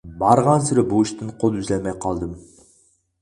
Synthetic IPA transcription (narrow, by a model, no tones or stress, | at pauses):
bɑɾʁɑnsɪɾɪbuɪʃt̪ɨɴqʰolˠʏzlʲæmæjqʰɑlˠd̪əm